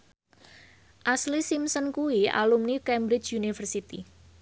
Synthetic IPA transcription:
ʔaslisimsənkuia̰lumnikɛmbɾɪd͡ʒunifərsit̪ḭ

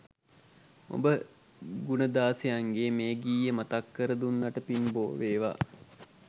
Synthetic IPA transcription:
o̰bə | ɡunəd̪aːsejaŋɡeːmeːɡiːjəmat̪akːəɾəd̪unːɐʈəpinbo̰ːʋeːʋa̰

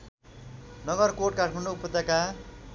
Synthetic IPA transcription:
nʌɡʌrkoʈ̚kaʈʰmaɳɖoupʌt̪aka

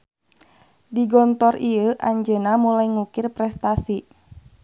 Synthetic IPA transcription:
diɡɔnt̪ɔriəʔaɲd͡ʒənamulaiŋukɪrpɾɛst̪asi

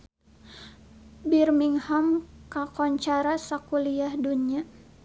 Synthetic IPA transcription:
birmiŋhamkakɔɲt͡ʃaɾasakuliahdunia

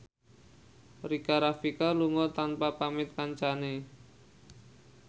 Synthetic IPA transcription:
rikaɾafikaluŋɔt̪anpapamɪt̪̚kaɲt͡ʃane

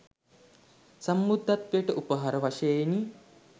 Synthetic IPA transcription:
sɐmːud̪ʱːat̪ʋejəʈəʔupəɦaɾəʋaʂɐeni

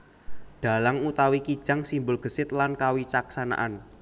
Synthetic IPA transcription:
d̥a̤laŋut̪awikid̥ʒ̥a̤ŋsimbʊlɡ̥ə̤sɪt̪̚lankawit͡ʃaksana̰ʔan

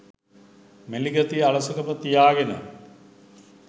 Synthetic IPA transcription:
meliɡɐt̪iaɭəsəkəmət̪ijaːɡenə̰

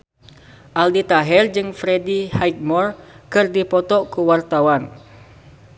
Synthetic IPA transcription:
ʔaldit̪aɦɛrd͡ʒɨŋfɾedihajt̪̚mɔrkɨrdipɔt̪ɔkuwart̪awan

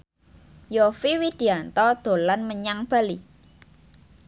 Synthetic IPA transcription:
jofiwid̪̥i̤ant̪ɔd̪̥o̤lanməɲaŋb̥a̤li

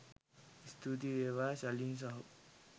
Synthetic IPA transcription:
ist̪ʰut̪̬ieːʋaːsalins̬ɐɦu

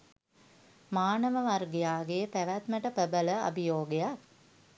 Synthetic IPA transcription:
maːnəʋəʋarɡejaːɡepæʋæt̪məʈəpəbələa̰bijoːɡejak

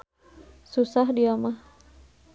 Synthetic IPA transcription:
susahdiamah

